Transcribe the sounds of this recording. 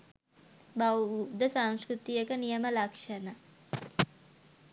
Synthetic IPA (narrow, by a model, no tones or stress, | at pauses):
bawupd̪əsaŋ̃skɾut̪ijəkənijəməlɐkʂɐna